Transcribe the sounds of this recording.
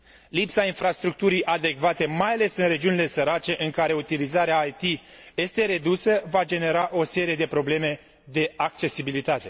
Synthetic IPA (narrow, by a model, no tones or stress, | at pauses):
lipsainfɾast̪ɾuk̚t̪uɾijʔad̪e̞kvat̪e̞majale̞sɨnre̞d͡ʒiunile̞səɾat͡ʃe̞ʔɨŋkaɾe̞ut̪ilizaɾeaːjt̪ije̞st̪e̞ɾe̞d̪usəvad͡ʒe̞ne̞ɾaʔo̞se̞ɾije̞d̪epɾo̞ble̞me̞ | d̪e̞ak̚t͡ʃe̞sibilit̪at̪e̞